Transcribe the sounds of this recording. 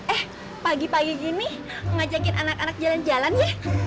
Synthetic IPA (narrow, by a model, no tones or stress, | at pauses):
ʔɛh | paɡipaɡiɡini | ŋad͡ʒakɪnʔanakanak̚d͡ʒaland͡ʒalanja